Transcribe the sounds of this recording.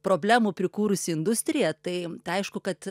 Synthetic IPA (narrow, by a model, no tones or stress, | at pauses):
pɾoːbʲlʲæːmuːpʲɾʲɪkuːɾʊsʲɪɪnd̪ʊsʲt̪ʲɾʲɪjɛt̪ɐɪt̪ɐɪɐɪʃkʊkɐt̪